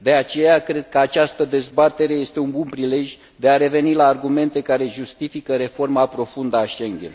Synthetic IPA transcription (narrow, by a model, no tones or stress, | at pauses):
d̪e̞at͡ʃe̞jakɾe̞d̪̚kəat͡ʃast̪əd̪e̞zbat̪e̞ɾe̞je̞st̪e̞unbunpɾile̞ʒʲ | d̪e̞aɾe̞ve̞nilaːrɡume̞nt̪e̞kaɾe̞ʒust̪ifikəɾe̞fo̞rmapɾo̞fund̪əaʃe̞ŋɡʲḛn